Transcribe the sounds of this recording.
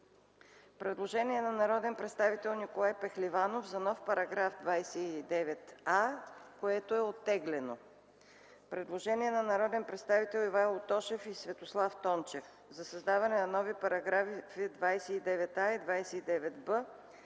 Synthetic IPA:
pɾɛd̪lˠoʒɛniɛnɐnɐɾɔd̪ɛnpɾɛt̪st̪avit̪ɛlˠnikolˠajpɛxlivanofzɐnɔfpɐɾɐɡɾafd̪vajsɛid̪ɛvɛt̪akoɛt̪oɛot̪ːɛɡlɛno | pɾɛd̪lˠoʒɛniɛnɐnɐɾɔd̪ɛnpɾɛt̪st̪avit̪ɛlˠivalˠot̪ɔʃɛfisvɛt̪oslˠaft̪ɔnt͡ʃɛf | zɐsɐzd̪avɐnɛnɐnɔvipɐɾɐɡɾafifid̪vajsɛid̪ɛvɛt̪aid̪vajsɛid̪ɛvɛt̪bə

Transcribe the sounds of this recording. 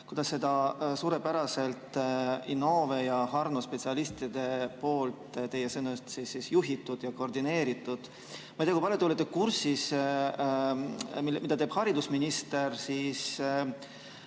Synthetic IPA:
kud̪ɑsːe̞d̪ɑsuːɾe̞pæɾɑse̞lt̪ˑino̞ːve̞jɑhɑrnospe̞t̪siɑlist̪id̪̥e̞po̞ːlt̪ˑt̪e̞jesenust̪sisːisjuɦit̪ːˑud̪̥jɑko̞rd̪ine̞ːɾit̪ːˑud̪̥ | mɑj̪jɑkuipɑljot̪ulːet̪ːekursis | mimid̪ɑt̪e̞ːb̥hɑɾid̪usminist̪e̞rsiːs

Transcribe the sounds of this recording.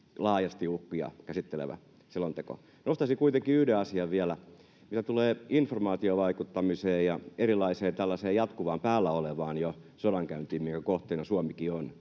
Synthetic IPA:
lɑːjɑst̪iukːujɑ̰kæsit̪ːelḛʋæ̰ | selont̪eko̰ | nost̪ɑsikuit̪eŋkiyhdeɑsiɑʋʋiælæ | mit̪æt̪uleːinformɑːt̪ioʋɑikut̪ːɑmiseːjjɑeɾilːˑɑiseːt̪ælːæseːjɑt̪kuʋɑːmpæːlːæoleʋɑːnjo | sodɑŋkæynt̪iːmiŋkækoht̪einɑsuɑmikion

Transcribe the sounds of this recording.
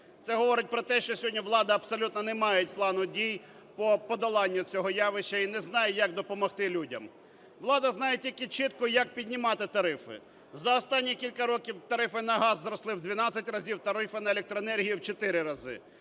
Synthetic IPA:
tsɛɦɔʋɔɾɪt̚ʲpɾɔt̪ɛʃt͡ʃɔsʲɔdʲnʲiʋlˠɑd̪ɐɐbsɔlʲut̪nɔnɛmɑjɛt̚ʲplˠɑnʊdʲij | pɔpɔd̪ɐlˠɑnʲːʊt͡sʲɔɦɔjɑʋɪʃːɐinɛznɑjɛjɐkd̪ɔpɔmɔxt̪ɪlʲudʲɐm | ʋlˠɑd̪ɐznɑjetʲilʲkɪt͡ʃɪt̪kɔjɐk̚pʲidʲnʲimɑt̪ɪt̪ɐɾɪfɪ̰ | zɐɔst̪ɑnʲːikʲilʲkɐɾɔkʲiwt̪ɐɾɪfɪnɐɦɑzːɾɔslˠɪwd̪ʲʋʲinɑt͡sʲːɐtʲrɐzʲiwt̪ɐɾɪfɪnɐelʲek̚t̪ɾɔenɛrɦʲijiwt͡ʃɔt̪ɪɾɪɾɐzɪ̰

